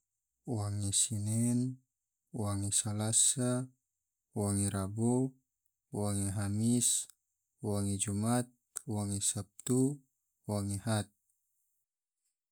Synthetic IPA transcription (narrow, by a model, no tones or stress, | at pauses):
waŋisinɛn | waŋisalasa | waŋiɾabo | waŋiɦamis | waŋid͡ʒumat̪̚waŋisap̚t̪u | waŋehat̪̚